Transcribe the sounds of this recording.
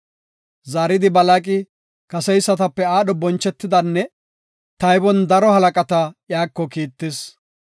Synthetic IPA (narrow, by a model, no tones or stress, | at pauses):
zaːɾɪd̪ɪbɐlakʼɪ | kɐsɛjsːɐt̪ɐpːɛaːɗɔbɔnt͡ʃːɛt̪ːɪd̪ɐnːɛ | t̪ɐjbɔnd̪ɐɾɔhɐlɐkʼɐt̪ɐjaːkːɔkiːt̪ːɪs